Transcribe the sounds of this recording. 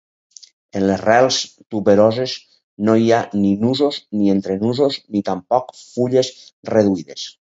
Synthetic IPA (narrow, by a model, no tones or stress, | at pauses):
enlesrɛlˠst̪uβeɾozez | noianinuzoznient̪ɾenuzoznit̪ampɔkfuʎesreðuiðes